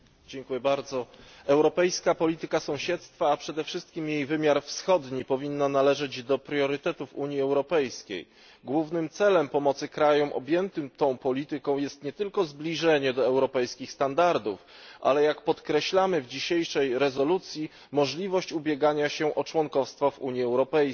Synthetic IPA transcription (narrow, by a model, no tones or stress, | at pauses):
d͡ʑɛŋkujɛbaɾd̪zɔɛwɾɔpɛjskapɔlʲit̪ɘkasɔ̃w̃ɕɛt̪st̪faːpʂɛd̪ɛfʂɘst̪̚kʲimjejvɘmʲjaɾfsxɔd̪ɲipɔvʲinːanalɛʐɛd͡ʑd̪ɔpɾʲjɔɾɘt̪ɛt̪ufuɲjiɛwɾɔpɛjskʲḛj | ɡwuvnɘmt̪sɛlɛmpɔmɔt̪sɘkɾajɔmʔɔ̰bʲjɛnt̪ɘmt̪ɔ̃w̃pɔlʲit̪ɘkɔ̃w̃jɛst̪ɲɛt̪ɘlkɔzblʲiʐɛɲɛd̪ɔɛwɾɔpɛjskʲixst̪and̪aɾd̪ufʔa̰lɛjakpɔt̪kɾɛɕlamɘvd͡ʑiɕejʂɛjɾɛzɔlut̪sʲji | mɔʐlʲivɔɕt͡ɕubʲjɛɡaɲaɕɛʔɔt͡ʂwɔŋkɔfst̪fɔvṵɲjiɛwɾɔpɛj